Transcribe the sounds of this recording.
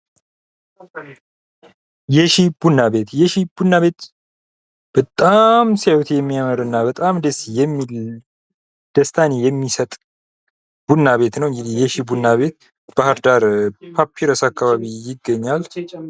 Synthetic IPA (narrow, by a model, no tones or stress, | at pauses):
jɛʃib̥unːaβe̞t̪jɛʃib̥unːaβe̞t̪ | b̥ət̪ʼamsewt̪ʰjɛmːiaməɾəwɨnːabət̪ʼamd̪esijɛmːil | d̪̥əst̪ʰanejɛmːisət̪ʼ | b̥unːaβe̞t̪nəwɨŋɡɨd̪ihjɛʃibunːaβe̞t̪ | b̥ahaɾd̪aɾpʰapʰːiɾəsakːaβaβijɪɡːəɲːal